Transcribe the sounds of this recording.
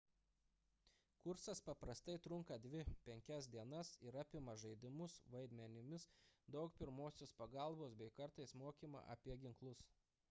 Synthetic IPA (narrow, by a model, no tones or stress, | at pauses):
kʊɾsɐspɐpɾɐst̪ɐɪt̪ɾʊŋkɐd̪ʲʋʲɪpʲɛŋʲkʲɛsd̪ʲiɛnɐsɪɾɐːpʲɪmɐʒɐɪd̪ʲɪmʊsʋɐɪd̪ʲmʲɛnʲɪmʲɪsd̪ɒʊkpʲɪɾmoːsʲoːspɐɡɑˑlˠboːsbʲɛɪkɐɾt̪ɐɪsmoːkʲiːmɐ̰ʔɐ̰pʲiɛɡʲɪŋklˠʊs